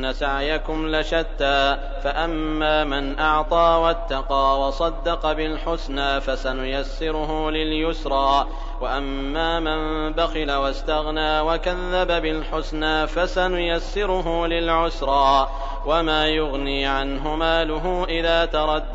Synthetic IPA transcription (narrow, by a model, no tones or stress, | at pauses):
asaʕjakʊmlɪʃat̪ːaː | faʔamːaːmɪnʔɑʕt̪ˤɑːwat̪ːɑqɑːwɑsˤɑd̪ːɑqɑbɪlħʊsnaːfasanʊjasːɪɾʊɦʊlɪljʊsɾˤɑː | waʔamːaːmɪn | baxɪlawast̪aɣnaːwakaðːababɪlħʊsnaːfasanʊjasːɪɾʊɦʊːlɪlʕʊsɾˤɑː | wamaːjʊɣniːʕanɦʊmaːlʊɦuːʔɪðaːt̪ɑɾˤɑd̪ː